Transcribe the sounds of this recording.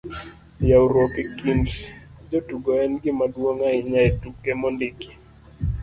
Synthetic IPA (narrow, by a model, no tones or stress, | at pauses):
jawuɾɔkikint | d͡ʒotuɡɔɛnɡɪmadwoŋaɪɲaetukːɛmɔndiki̥